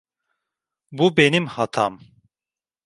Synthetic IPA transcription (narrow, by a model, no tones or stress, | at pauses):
bube̞nimhat̪ʰa̰m